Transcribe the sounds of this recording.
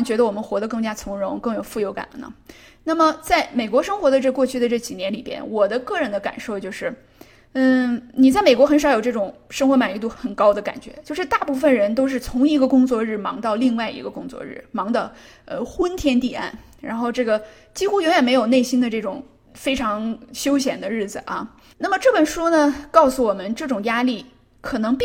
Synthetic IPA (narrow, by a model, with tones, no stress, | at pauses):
nt͡ɕɥɛ˧˥d̪ə˧wɔ˨˩mə˦nxwɔ˧˥d̪ə˧k̬ɤ˥˩ŋt͡ɕja˥t͡sʰʊ˧˥ŋɻʊ˧˥ŋkɤ˥˩ŋjo˨˩ʊfu˥˩jo˧˥ʊka̰˨˩nlnə̰˦ | na˥˩mə˩t͡sa˥˩ɪme˨˩ɪkwɔ˧˥ʂɤ˥ŋxwɔ˧˥d̪ə˧ʈ͡ʂɤ˥˧kwɔ˥˧t͡ɕʰy˥˩d̪ə˩ʈ͡ʂɤ˥˩t͡ɕi˨˩njɛ˧˥nlḭ˨˩pjɛ̰˥nwɔ˨˩d̪ə˦kɤ˥˩ɻə˧˥nd̪ə˧ka̰˨˩nʂo˥˧ʊt͡ɕjo˥˧ʊʂɻ̩˥˩ | n̩˥˩ni˨˩t͡s̬a˥˩ɪme˨˩kwɔ˥xə˧˥nʂɑ˨˧˥ʊo˨˩ʊʈ͡ʂɤ˥˩ʈ͡ʂʊ˨˩ŋʂɤ˥ŋxwɔ˧˥ma˨˩ni˧˥t̪u˥˩xə˨˩nkɑ˥ʊd̪ə˧ka̰˨˩nt͡ɕɥɛ̰˧˥t͡ɕjo˥˧ʊʂɻ̩˥˧t̪a˥˧pu˥˧fə˩nɻə˧˥nt̪o˥ʊʂ̬ɻ̩˥˩t͡sʰʊ˧˥ŋi˧˥ɡə˧kʊ˥ŋt͡swɔ˥˧ɻ̩˥˩mɑ̰˧˥ŋt̪ɑ˥˧ʊli˥˧ŋwa˥˩ɪḭ˧˥ɡə˧kʊ˥ŋt͡swɔ̰˥˧ɻ̩̰˥˩mɑ˧˥ŋd̪ə˧ | ə˧xwə˥nt̪ʰjɛ˥nt̪i˥˩a̰˥˩n | ɻa̰˧˥nxo˥˧ʊʈ͡ʂɤ˥˩ɡə˩ | t͡ɕi˥xu˥jʊ˧˥ŋɥɛ˨˩nme˧˥ɪjo˨˩ʊne˥˩ɪɕi˥nd̪ə˧ʈ͡ʂɤ˥˩ʈ͡ʂʊ˨˩ŋ | fe˥ɪʈ͡ʂʰɑ˧˥ŋɕjo˥ʊɕ̬jɛ˨˩nd̪ə˦ɻɻ̩˥˩d͡zɹ̩˩ʔɐ̰˧˩ | na˥˩mə˩ʈ͡ʂɤ˥˩pə˨˩nʂu˥nə˨kɑ˥˩ʊsu˨˩wɔ˨˩mə˦nʈ͡ʂɤ˥˩ʈ͡ʂʊ˨˩ŋja˥li˥˩ | kʰɤ˨˩nɤ˧˥ŋp